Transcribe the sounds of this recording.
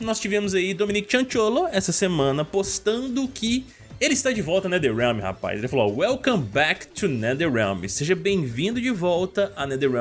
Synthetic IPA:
nɔst͡ʃivẽmʊzaid̪õminikʊ̥t͡ʃɐ̃t͡ʃoloɛsɐsemɐ̃nɐpost̪ɐ̃nd̪ʊkʰɪ | elɪist̪ad͡ʒɪvɔwt̪ɐnɛd̪eɹɛ̃mɪha̰pa̰jzelɪfalowɛlkɐ̃mbɛkt̪ʰunɛd̪eɹɛ̰wmiseʒɐbẽj̃vĩnd̪ʊd͡ʒɪvɔwt̪ɐanɛd̪eɹɛ̃

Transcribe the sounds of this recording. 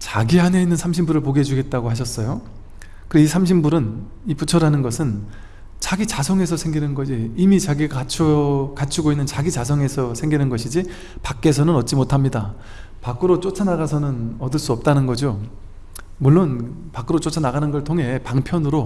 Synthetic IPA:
t͡ɕaɡiɦane̞inːɯnsʰamɕʰimbuɾɯɭpoɡed͡ʑuɡe̞t̚t͈aɡoɦaɕ̬ʰʌs͈ʌjo | kɯɾeisʰamɕʰimbuɾɯn | iput͡ɕʰʌɾanɯnɡʌsʰɯn | t͡ɕaɡit͡ɕasʰʌŋe̞sʰʌsʰe̞ŋɡinɯnɡʌd͡ʑiːmit͡ɕaɡiat͡ɕʰʌkat͡ɕʰiɡoinːɯnt͡ɕaɡit͡ɕasʰʌŋe̞sʰʌsʰe̞ŋɡinɯnɡʌɕʰid͡ʑi | pak͈e̞sʰʌnɯnʌt̚t͡ɕ͈imotʰamɲida | pak͈ɯɾot͡ɕ͈ot͡ɕʰanaɣasʰʌnɯnʌdɯɭs͈uʌp̚t͈anɯnɡʌd͡ʑo | muɭːonpak͈ɯɾot͡ɕ͈ot͡ɕʰanaɡanɯnɡʌɭtʰoŋɦe̞paŋpʰjʌnɯɾo

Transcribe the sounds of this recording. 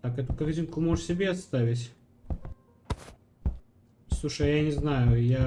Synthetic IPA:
t̪akɛt̪ʊkɐrtʲinkʊmoʐʂsʲɪbʲeɐt̪st̪avʲɪtʲ | slˠuʂəjjanʲɪznajʊja

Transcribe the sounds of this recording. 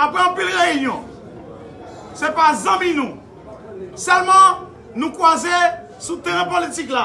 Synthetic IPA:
apɣɛ̃ɑ̃pilʁeynjɔ̃ | sepazãmĩnũ | sœlmɑ̃ | nũkwaze | sut̪eʁɛ̃politikla

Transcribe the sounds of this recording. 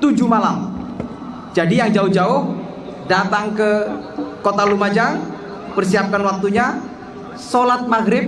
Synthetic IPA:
t̪ud͡ʒumalam | d͡ʒadijaŋd͡ʒaʊhd͡ʒaʊh | dat̪aŋkəkot̪alumad͡ʒa | pərsiap̚kanwak̚t̪uɲa | solat̪̚maɡɾɪb̚

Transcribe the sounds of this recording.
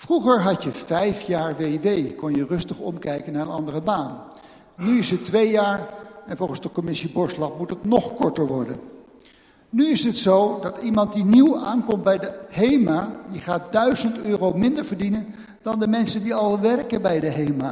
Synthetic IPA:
fruχəɹɦɑtjəfɛjfjaːɹʋejʋejkɔnjərɵstəχɔ̰mkɛjkənːaːɹənɑndərəbaːnː | yɪsətʋejjaːɹɛnvɔlˠχənzdəkɔmɪsibɔɹslɑpmutətnɔχkɔɹtəɹʋɔɹdə̰n | nyɪsɦətsowdɑtimɑnt̚diniwaːnkɔmtbɛjdəhejmaːdiχaːt̚dœɥzəntøːrowmɪndəɹvəɹdinən | d̥ɑndəmɛnsəndiɑlˠʋɛrkənbɛjdəɦejmaː

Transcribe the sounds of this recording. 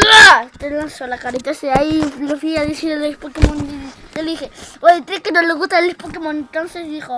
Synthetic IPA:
at̪elansolakaɾet̪aseailofiaðesiɾlespokemõneld̪ixeojt̪ɾekenoleɣust̪aelespokemõnent̪onsezd̪ixo

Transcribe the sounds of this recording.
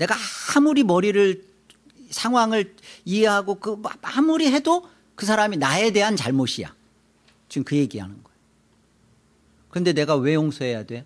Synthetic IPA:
ne̞ɡahamuɾimʌɾiɾɯɭ | sʰaŋwaŋɯɭiɦeɦaɡokɯhamuɾiɦe̞do | kɯs̬ʰaɾaminae̞de̞ɦant͡ɕaɭmoɕʰija̰ | t͡ɕimkɯje̞ɡiɦa̰nɯnɡʌeo | kɯɾʌnde̞ne̞ɡawe̞joŋsʰoɦe̞jadwe̞

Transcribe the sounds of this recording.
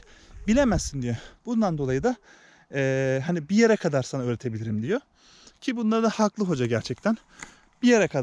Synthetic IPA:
bilʲemæzind̪ijeb̥und̪and̪o̞lˠajɯd̪a | ɛːɦanibije̞ɾɛkʰad̪aɾsanaøːɾe̞t̪ʰe̞bilʲiɾimd̪ijo̞ | cʰibunlˠaɾɯd̪ahaklˠɯɦo̞d͡ʒaɟæɾt͡ʃʰɛc̚t̪ʰæn | bijeɾɛkʰa

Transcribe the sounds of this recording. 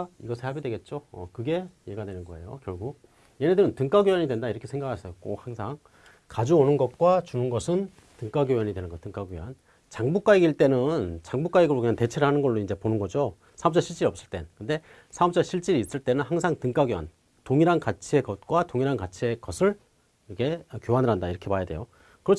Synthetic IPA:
iɡʌsʰɯɭhabidwe̞ɡe̞t̚t͡ɕ͈oʌ̰kɯɡe̞jeɡadwe̞nɯnɡʌe̞̰jokjʌɭɡuk̚ | je̞nedɯɾɯntɯŋk͈aɡjojʌɲidwe̞ndaiɾʌkʰesʰe̞ŋɡakʰasʰʌjok͈o̰haŋsʰaŋ | kad͡ʑuonɯnɡʌt̚k͈wat͡ɕunɯnɡʌsʰɯn | tɯŋk͈aɡjojʌɲidwe̞nɯnɡʌtɯŋk͈aɡjojan | t͡ɕaŋbuk͈aiɡiɭt͈e̞nɯnt͡ɕaŋbuk͈aiɡɯɾokɯɲjante̞t͡ɕʰeɾɯɭhanɯnɡʌɭːoind͡ʑe̞ponɯnɡʌd͡ʑo | sʰaʌm̚pt͡ɕ͈aɕʰiɭt͡ɕ͈iɾiʌp̚s͈ɯɭt͈e̞nnkɯnde̞ | sʰaʌp̚t͡ɕ͈ʌɕʰiɭt͡ɕ͈iɾiːs͈ɯɭt͈e̞nɯnhaŋsʰaŋtɯŋk͈aɡjowa̰n | toŋiɾankat͡ɕʰie̞kʌt̚k͈watoŋiɾankat͡ɕʰie̞kʌsʰɯɭ | kʰe̞kjoɦanɯɭɦandaiɾʌkʰe̞pajadwḛjo | kɯɾʌt͡ɕʰ

